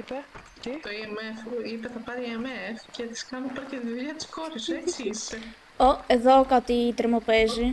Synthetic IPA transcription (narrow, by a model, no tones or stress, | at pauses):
ipe | t̪t̪oiemefipeθɐpɐɾiiemefcet̪i̥skɐnopɐɾɐcend̪iðiɐt̪i̥skoɾuset͡sie | oeðokɐt̪it̪eɾmopeʒi